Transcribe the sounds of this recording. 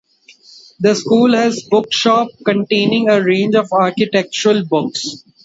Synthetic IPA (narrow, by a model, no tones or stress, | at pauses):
d̪əskuːlɦɛzbʊkʃɔːp̚kə̃ɳʈẽːnɪ̃ŋəɾẽːnd͡ʒɔʋaːɾkɪʈɛk̚t͡ʃəɾəlbʊks